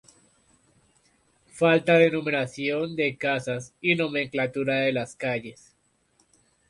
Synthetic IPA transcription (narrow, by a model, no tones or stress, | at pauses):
falt̪aðenumeɾasjo̞nd̪e̞kasasino̞mẽ̞ŋklat̪uɾaðe̞laskaʝe̞s